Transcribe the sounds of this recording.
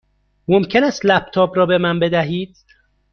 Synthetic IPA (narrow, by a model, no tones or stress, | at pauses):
momcʰe̞næst̪læb̥̚t̪ʰɒːbɾɒːbe̞mænbe̞d̪æɦiːd̪̥